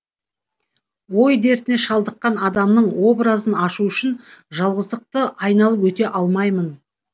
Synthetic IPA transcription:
wo̞jd̪e̞ɾt̪ɪne̞ʃɑlˠd̪əqːɑnɑd̪ɑmnəɴwo̞bɾazənɑʃuʏʃɪnʒɑlˠʁəzd̪əq̚t̪əʔɑjnɑlˠəpwɵt̪e̞ʔɑlˠmɑjmən

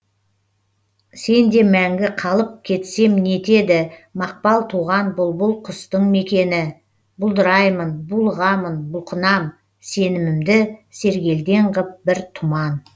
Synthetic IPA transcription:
se̞nd̪e̞mæŋɡʲɪqʰɑlˠəp̚kʲʰe̞t̪se̞mɪne̞t̪e̞d̪ɪmɑq̚pɑlˠt̪ʰuʁɑnbʊlˠbʊlˠqʰʊst̪əɴme̞kʲe̞nɪ | bʊlˠd̪əɾɑjmənbulˠʁɑmənbʊlˠqʰənɑm | se̞nɪmɪmd̪ɪse̞ɾɡʲe̞ld̪e̞ɴʁəp̚bɪɾt̪ʰʊmɑn

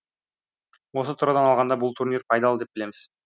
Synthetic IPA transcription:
wo̞sot̪ʰuɾɑd̪ɑnɑlˠʁɑnd̪ɑbʊlˠt̪ʰurnʲirpʰɑjd̪ɑlˠəd̪e̞p̚bɪle̞mɪz̥

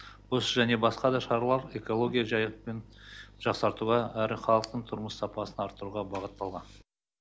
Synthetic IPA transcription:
wo̞səʒæne̞bɑsqɑd̪ɑʃɑɾlˠɑɾe̞ko̞lˠo̞ɡʲijaʒɑjəq̚pe̞nʒ̥ɑqsɑɾt̪uʁɑæɾɪχɑlˠəq̚t̪əɴt̪ʰʊɾməssɑpɑsənɑɾt̪ːəɾuʁɑbɑʁət̪ːɑlˠʁɑn

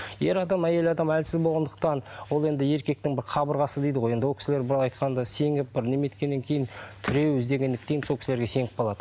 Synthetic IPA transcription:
je̞ɾɑd̪ɑmæje̞lɑd̪ɑmælsɪzbo̞lˠʁɑnd̪ə̥q̚t̪ɑnwo̞lˠe̞nd̪ɪe̞ɾkʲe̞k̚t̪ɪŋbɪɾqʰɑbəɾʁɑsəd̪ejd̪əʁoje̞nd̪wolˠkʰʲɪ̥sɪle̞ɾbɪɾɑlˠɑjt̪qɑnd̪ɑse̞ŋɪp̚bɪɾne̞me̞t̪kʲe̞nːe̞ŋkʲʰe̞jɪnt̪ʰʏɾe̞wʏzd̪e̞ɡʲe̞nd̪ɪk̚t̪ejnsokʰʲɪsleɾɡʲe̞se̞ŋɪp̚bolˠɑd̪ə

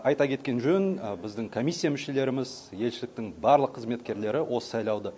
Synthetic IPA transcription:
ɑjt̪ɑkʲʰe̞t̪kʲe̞nʒɵønbɪzd̪ɪŋkʰo̞mʲijsːijamʏʃe̞le̞ɾɪmɪz | je̞lʃɪlɪk̚t̪ɪŋbɑɾlˠəqʰːəzme̞t̪kʲe̞ɾle̞ɾɪwʔo̞sə̥sɑjlˠɑwd̪ə

